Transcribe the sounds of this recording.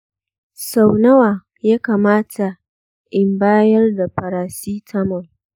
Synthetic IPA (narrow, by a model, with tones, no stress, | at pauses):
sa˨wnɐ˦waː˨ | jaː˦kaː˨maː˦tʰa˨ | ʔɪ˨mbaː˦jɐ˦rda˨ɸɐ˨ɾaː˨siː˦tʰɐ˦mɐ˨ŋ